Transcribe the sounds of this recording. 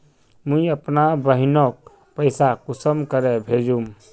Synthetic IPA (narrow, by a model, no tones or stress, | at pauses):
mũiəpnabəɦɪnɔk̚ | pəɪsakusəmkəɾebʱed͡ʒũm